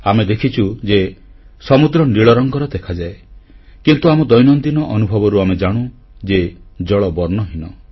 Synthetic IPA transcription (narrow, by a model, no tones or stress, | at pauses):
amed̪ekʰit͡ʃʰud͡ʒe | sɔmud̪ɾɔniɭɔɾɔŋɡɔɾɔd̪ekʰad͡ʒaekint̪uamɔd̪ɔjnɔnd̪inɔʔɔnubʱɔbɔɾuamed͡ʒaɽ̃u | d͡ʒed͡ʒɔɭɔbɔɾnɔɦinɔ